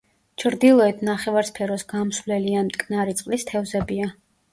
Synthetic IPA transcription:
t͡ʃʰɾd̪ilˠɔɛt̪ʰnaχɛvaɾspʰɛɾɔsɡamsvlɛliamt̪ʼkʼnaɾit̪sʼqʼlist̪ʰɛvzɛbia

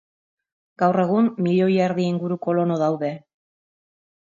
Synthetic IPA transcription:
ɡ̥awre̞ɣ̞umːiʎo̞jaeɾðiiŋɡuɾuko̞lo̞no̞ðawðe̞

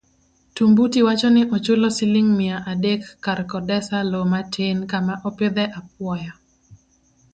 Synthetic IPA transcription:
tumbutiwat͡ʃɔnɪʔɔt͡ʃʊlɔsɪlɪŋmɪaʔadekːaɾkɔdɛsalomatʰenkamaʔɔpɪd̪ɛʔap̚wɔja

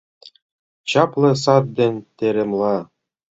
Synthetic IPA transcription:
t͡ɕɑplˠɤ̆s̬ɑt̪̚d̪ʲĕnʲt̪ʲeɾʲĕmlˠɑ

